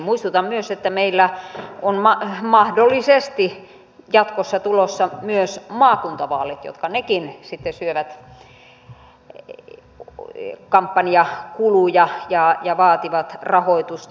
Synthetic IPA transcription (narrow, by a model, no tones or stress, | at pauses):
muist̪ut̪ɑmmyøset̪ːæmeilːæonmɑmɑhdolːˑisest̪i | jɑt̪kosːɑt̪ulosːɑmyøsmɑːkunt̪ɑʋɑːlet̪jo̰t̪kɑnekinsit̪ːesyøʋæt̪ | kɑmpːɑniɑkulujɑjɑjɑʋɑːt̪iʋɑt̪rɑhoit̪ust̪